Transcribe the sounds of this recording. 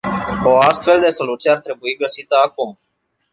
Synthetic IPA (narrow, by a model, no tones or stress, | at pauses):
o̞ast̪fe̞ld̪e̞so̞lut̪sijeart̪ɾe̞buiɡəsit̪əakum